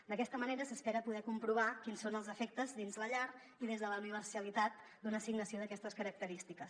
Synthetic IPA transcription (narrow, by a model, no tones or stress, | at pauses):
d̪əkɛst̪əməneɾəsəspɛɾəpuðɛkumpɾuβ̞akinsonəlˠzəfɛk̚t̪əzðinzləʎaɾ | iðezðələniβ̞əɾsiəlit̪at̪̚ | d̪unəːsiɡnəsioðəkɛst̪əskəɾək̚t̪əɾist̪ikəs